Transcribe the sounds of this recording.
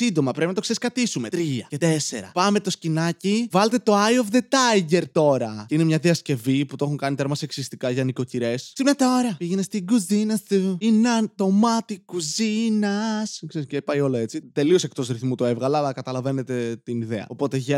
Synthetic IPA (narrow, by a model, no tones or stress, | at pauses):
sind̪o̞mɐpɾepinɐt̪ose̞ɾiskɐt̪isume̞t̪ɾiɐcet̪ese̞ɾɐ̰pɐme̞t̪o̞scinɐcivɐlet̪et̪o̞ɐjofðe̞t̪ɐjʝe̞ɾt̪o̞ɾɐine̞mɲɐðiɐsce̞viput̪oo̞xuŋkɐnit̪eɾmɐseksist̪ikɐʝɐniko̞ciɾe̞ssimet̪aoɾɐpiʝenest̪iɡuzinɐst̪uinɐnt̪o̞mɐt̪ikuzinɐskseɾiscepɐjo̞loe̞t͡sit̪e̞lio̞se̞kt̪o̞zɾiθmut̪oe̞vɣɐlɐɐkɐt̪ɐlɐve̞net̪e̞t̪iniðeɐ̰o̞po̞t̪eʝe